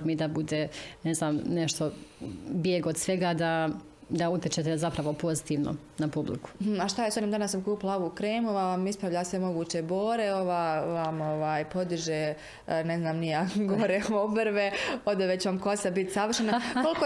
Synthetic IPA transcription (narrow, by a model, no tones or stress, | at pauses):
mid̪abud̪eneznaːmneʃt̪o̞bjeɡod̪sʋeɡaːd̪a | d̪aut̪ʲjet͡ʃet̪ezapɾaʋo̞po̞zit̪iːʋno̰ | napublḭku̥aʃt̪ajesoniːmd̪anasːamkuːpilaoʋuːkɾeːmuʋaʋamispɾaʋʎasʋe̞mo̞ɡuːt͡ɕebo̞ːɾeo̞ʋaːʋamo̞ʋaːjpo̞d̪iʒeː | neznaːmnijaɡoɾeoʋobɾʋeod̪oʋet͡ɕeʋamko̞sabit̪saʋər̩ʃenakkolko